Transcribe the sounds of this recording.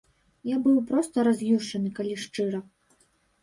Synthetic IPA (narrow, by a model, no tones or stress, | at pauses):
jabɨwpɾɔst̪ɐɾazʲjʲuʂt͡ʂɐnɨkalʲiʂt͡ʂɨɾɐ